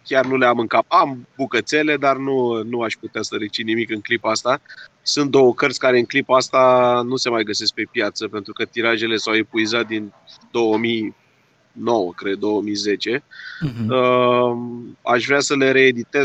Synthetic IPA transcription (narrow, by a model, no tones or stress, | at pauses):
kʲjarnuleamɨŋkapambukət̪se̞le̞d̪arnunuaʃput̪easəɾet͡ʃinimikɨŋklipaast̪a | sunt̪̚d̪o̞wəkərt̪sʲkaɾe̞ɨŋklipaast̪anuse̞majɡəse̞sk̚pe̞pjat̪səpe̞nt̪ɾukət̪iɾaʒe̞le̞sawepuizat̪̚d̪in | d̪o̞wəmi | no̞wəkɾe̞d̪̚d̪o̞wəmize̞t͡ʃe̞ | ə | a̰ʃvɾeasəle̞ɾe̞ːd̪it̪e̞